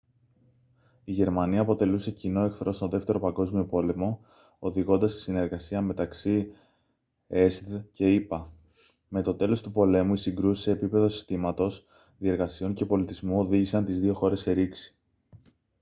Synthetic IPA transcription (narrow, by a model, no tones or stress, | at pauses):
iʝe̞ɾmɐniɐːpo̞t̪e̞luse̞cino̞e̞kθɾo̞st̪oðe̞ft̪e̞ɾo̞pɐɡo̞zmio̞po̞le̞mo̞ | oðiɣo̞nd̪ɐst̪i̥sine̞ɾɣɐsiɐme̞t̪ɐksi | e̞sce̞ipɐ | me̞t̪o̞t̪e̞lo̞st̪upo̞le̞muisiŋɡɾusi̥se̞ːpipe̞ðo̞si̥st̪imɐt̪o̞s | ðie̞ɾɣɐsio̞ɲce̞po̞lit̪izmuo̞ðiʝisɐnt̪izðio̞xo̞ɾe̞se̞ɾiksi̥